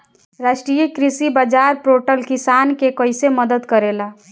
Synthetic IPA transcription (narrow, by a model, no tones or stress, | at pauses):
ɾaʃʈɾijəkɾisibad͡ʒaɾpɾoʈəlkisankekəjseməd̪əd̪kəɾela